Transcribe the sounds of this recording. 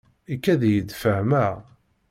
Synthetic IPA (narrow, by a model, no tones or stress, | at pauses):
ikːæðjəd̪fəhmæ